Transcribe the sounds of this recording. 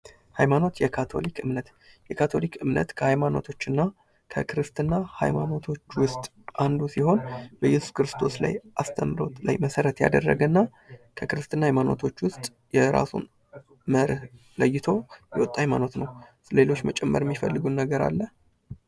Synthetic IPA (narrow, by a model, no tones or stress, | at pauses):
hajmano̞t̪jɛkʰat̪ʰo̞̰likɨmnət̪ | jɛkʰat̪ʰo̞likɨmnə̰t̪kʰəhajmano̞̰t̪ʰo̞t͡ʃːɨnːa | kʰəkʰɨɾɨst̪ʰʼɨnːaha̰jma̰no̞t̪ʰo̞t͡ʃːwʊst̪ʼ | and̪usiho̞nbəjɛsu̥skɾɨst̪ʰo̞sla̰jʔast̪ʰəmːɨɾo̞̰t̪la̰jməsəɾət̪ja̰d̪ə̰rːə̰ɡənːa | kʰəkɨɾɨst̪ʰʼɨnːahajmano̞̰t̪ʰo̞t͡ʃːwʊst̪ʼ | jɛɾa̰sṵn | məɾh | ləjːɪt̪ʰo̞jɛwɔt̪ʼːajmano̞t̪nəw | le̞lo̞t͡ʃːmət͡ʃʼɛmːəɾɛmːifəlːɨɡunːəɡəɾa̰lːə